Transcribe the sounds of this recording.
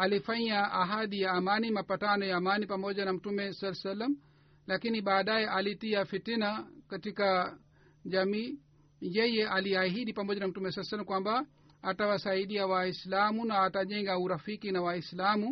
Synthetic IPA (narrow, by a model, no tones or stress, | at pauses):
alifaɲaaɦaɗijaːmanimapatanɔjaːmanipamɔʄanam̩tumɛsalɛsalam | lakiniɓaːɗajɛʔalitiafitinakatika | ʄamiː | jɛjɛʔaliaɦiɗipamɔʄanam̩tumɛsalsalːamkwamba | atawasaiɗiawaislamunaːtaʄɛŋɡauɾafikinawaislamu